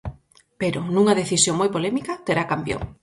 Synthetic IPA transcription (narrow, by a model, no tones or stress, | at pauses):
peɾʊnũŋɐðeθisjoŋmojpolɛmikɐt̪eɾakampjo̰ŋ